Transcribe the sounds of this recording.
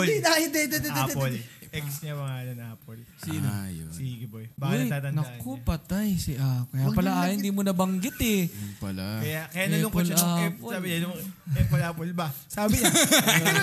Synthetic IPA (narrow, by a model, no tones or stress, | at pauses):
ajond̪ɛd̪ɛd̪ɛɛd̪polʔɛksɲɐbɐŋaːlɐnaːpolsinsiɡɪbojbaːkɐnɐjt̪aːt̪ɐnnɐkopɐt̪ajsiʔakɐjapɐlaaːjond̪imonɐbɐŋɡɪt̪ɛpɐlakɐjakɐjanɐɛloŋkpoolaposabɪɲnoɛpolapolbɐsaːbɪɲa